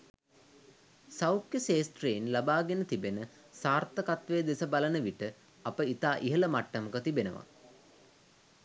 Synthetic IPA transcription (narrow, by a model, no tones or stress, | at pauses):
sawkjəseːsʈreːnlabaːɡenət̪ibenə | saːrt̪əkat̪ʋeːd̪esəbalənəʋiʈə | apəit̪aːʔiɦələmaʈːɐməkət̪ibenəʋa̰